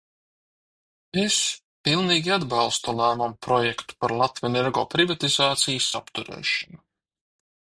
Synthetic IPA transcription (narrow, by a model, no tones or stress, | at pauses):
es | pilˠniːɡʲiad̪bɑlˠst̪ulˠæːmɔmpɾɔjɛkt̪u̥paɾlˠat̪vʲɛneɾɡɔːpɾivat̪izaːt̪sijəsapt̪uɾɛ̰ːʃɔnu